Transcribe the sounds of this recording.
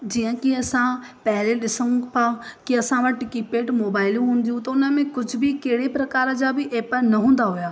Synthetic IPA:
d͡ʑiːə̃kiɐsãpɐɦɪleɗɪsə̃pʰãkiɐsãʋɐʈkipeːʈmoːbaːɪlũɦũːnd̪ijũt̪ɐʊnəmẽkʊd͡ʑʱʊbʱɪkeɦɪɽepɾɐkaːɾəd͡ʑaːbɪʔeːpənɐɦũːn̆d̪aɦʊjaː

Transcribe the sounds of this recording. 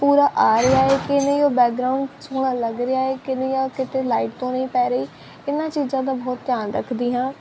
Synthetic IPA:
puːɾaːʔaːɾɪaːeːkɪnẽoːbɛːk̚ɡɾaːʊɳɖsoːɽ̃aːləɡɾɪaːeːkɪneoːkɪt̪ʰeːlaːiʈ̚t̪õːnəĩːpɛːɾeiː | ɪnːãːt͡ʃiːzãːd̪aːbɔːt̪ːjaːnɾə̰kʰd̪iːɦãː

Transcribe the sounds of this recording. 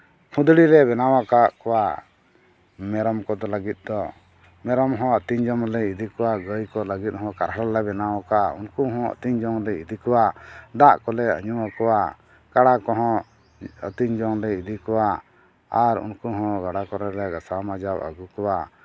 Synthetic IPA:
kʰũd̪ɽilɛβɛnawakaʔkɔwa | mɛɾɔmkɔd̪ɔləɡit̪̚ˀd̪ɔ | mɛɾɔmɦɔ̃ət̪iɲd͡ʒɔmlɛid̪ikɔwaɡəjkɔləɡit̪̚ɦɔ̃kaɾɦɾalɛbɛnawakaṵnkuɦɔ̃ə̰t̪iɲd͡ʒɔŋlɛid̪ikɔwad̪aʔkɔlɛə̰ɲuwakɔwa | kaɽakɔɦɔ̃ | ə̰t̪iɲd͡ʒɔŋlɛid̪ikɔwa | aɾṵnkuɦɔ̃ɡaɽakɔɾɛlɛɡasamad͡ʒawə̰ɡukɔwa

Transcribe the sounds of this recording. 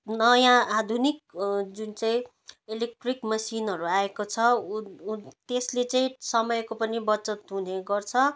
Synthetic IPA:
nʌjãad̪ʱunik̚d͡zunt͡saĩ | elek̚ʈrikmʌsinɦʌɾuaekot͡sʰʌ | t̪eslet͡saĩsʌmʌjkopʌnibʌt͡sʌt̪ɦuneɡʌrt͡sʰʌ

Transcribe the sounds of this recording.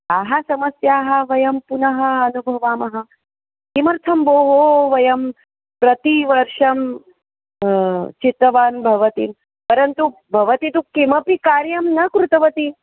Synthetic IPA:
aːɦɐsɐmɐsjaːɦɐ̆ʋɐjɐmpunɐɦɐːnubʱɐʋaːmɐɦɐ | kimɐɾt̪ʰɐmboːɦoːʋɐjɐm | pɾɐt̪iʋɐɾʂɐm | t͡ʃit̪ːɐʋaːnbʱɐʋɐt̪im | pɐɾɐnt̪ubʱɐʋɐt̪it̪ukimɐpikaːɾjɐmnɐkɾut̪ɐʋɐt̪i

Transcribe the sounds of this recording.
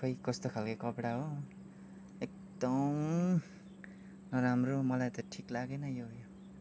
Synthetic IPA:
kʌikʌst̪okʰalkʌkʌpɽaɦo | ek̚ | d̪ʌm | nʌɾamromʌlajt̪ʌʈʰiklaɡenʌjojo

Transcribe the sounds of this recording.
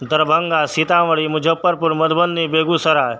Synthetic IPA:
d̪əɾbʱəŋɡasit̪ãʋəɭimʊd͡ʒʱəpːəɾpuɾmɐd̪ʱbənːibeːɡusəɾa

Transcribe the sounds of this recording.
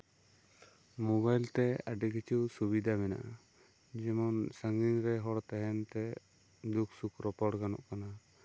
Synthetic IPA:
mubajlt̪ɛaɖikʰit͡ʃuwsubid̪ʱamɛna̰ʔa | d͡ʒɛmɔnsaŋɡinɾɛɦɔɽt̪ɛɦɛnt̪ɛ | d̪ukʰsukɾɔpɔɽɡanɔ̰ʔkana

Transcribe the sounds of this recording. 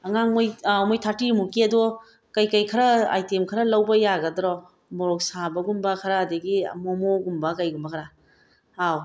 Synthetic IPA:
ɐŋaŋmojmojtʰatimukeɐdɔ | kajkajkʰɐɾɐa̰jtemkʰɐɾɐlɐwbɐjaɡɐdɾɔ | mɔɾɔk̚sabɐɡumbɐkʰɐɾaːdɐɡḭmɔmoɡumbɐkɐjɡumbɐkʰɾa | aw

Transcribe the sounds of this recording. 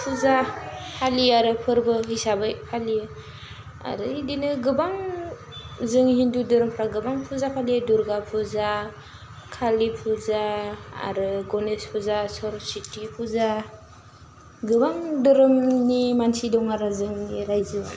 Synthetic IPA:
pʰuzapʰaliaɾɯpʰɯɾbɯɦisabajpʰali | a̰ɾɯidinɯɡɯbaŋ | zɯŋhindudɯɾɯmpʰɾaɡɯbaŋpʰuzapʰaliduɾɡapʰuza | kʰalipʰuzaa̰ɾɯɡɔnespʰuzasɔɾsitipʰuza | ɡɯbaŋdɯɾɯmnimansidɔŋaɾɯzɯŋiɾajzɯ

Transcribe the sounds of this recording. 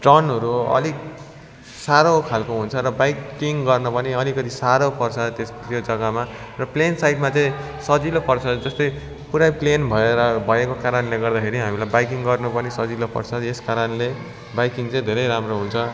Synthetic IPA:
ʈʌnɦʌɾuʌ̰li | saɾokʰalkoɦunt͡sʰʌɾʌbajkiŋɡʌrnʌpʌneʌlikʌt̪isaɾopʌrsʰad̪t̪est̪jod͡zʌɡʌma | rʌplensajʈmat͡saĩ | sʌd͡zilopʌrsʰʌd̪d͡zʌst̪ʌj | puɾajplenbʱʌeɾʌbʱʌekokaɾʌnleɡʌrd̪akʰeɾiɦamilajbajkiŋɡʌrnupʌnisʌd͡zilopʌ̰rsʰʌeskaɾʌnle | bajkiŋt͡sʌ̃ĩd̪ʱeɾʌjɾamroɦunt͡sʰʌ

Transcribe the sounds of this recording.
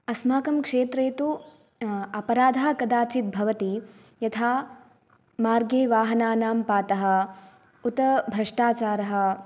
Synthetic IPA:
ɐsmaːkɐmkʂeːt̪ɾeːt̪u | ɐpɐɾaːd̪ʱaːkɐd̪aːt͡ʃit̪̚bʱɐʋɐt̪i | jɐt̪ʰaː | maːɾɡeːʋaːɦɐnaːnaːmpaːt̪ɐɦɐ̆ | ut̪ɐbʱɾɐʂʈaːt͡ʃaːɾɐɦɐ̆

